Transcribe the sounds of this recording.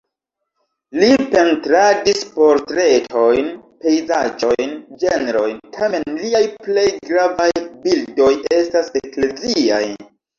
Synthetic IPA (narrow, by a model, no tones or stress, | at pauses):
lipe̞ntɾadispo̞ɾtɾe̞tʰo̞jnpe̞jzad͡ʒo̞jnd͡ʒe̞neɾo̞jntʰame̞nliajple̞jɡɾavajbildo̞je̞stasekle̞zia̰j